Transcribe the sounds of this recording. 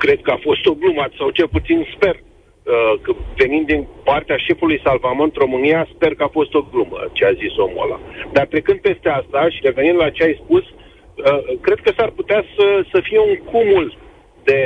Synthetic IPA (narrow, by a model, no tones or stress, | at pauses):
kɾe̞d̪̚kəafo̞st̪o̞blumasawt͡ʃe̞lput̪sinspe̞r | əkve̞nimd̪inpart̪eaʃe̞fulujsalvamɨnt̪ro̞mɨnijaspe̞rkəafo̞st̪o̞ɡlumə̰t͡ʃeaziso̞mo̞̰la̰d̪art̪ɾekɨnd̪̚pe̞st̪e̞ast̪aʃiɾe̞ve̞nĩnd̪lat͡ʃeajspus | əkɾe̞d̪̚kəsarput̪easəsəfije̞uŋkumul | d̪e̞